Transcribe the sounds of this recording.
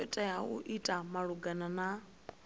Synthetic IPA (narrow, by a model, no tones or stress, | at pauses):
ɛtʼajaṵʔitʼamaɺuɡanana